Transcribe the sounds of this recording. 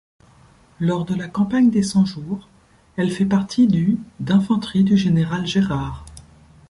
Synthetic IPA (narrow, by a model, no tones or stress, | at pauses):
lɔʁd̪əlakɑ̃paɲd̪esɑ̃ʒuːʁ | ɛlfɛpaʁt̪ʰid̪yd̪ɛ̃fɑ̃t̪χid̪yʒeneʁalʒeʁaːʁ